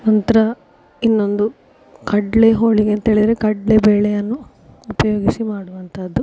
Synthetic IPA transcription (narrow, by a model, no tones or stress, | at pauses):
nɐnt̪ɐɾɐ | inːo̞nd̪u | kɐɖɭeɦoːɭiɡent̪ɦeːɭid̪ɾekɐɖlebeːɭɛjɐnːuː | pɐjoːɡisimaːɽuʋɐnt̪ʰɐd̪ːu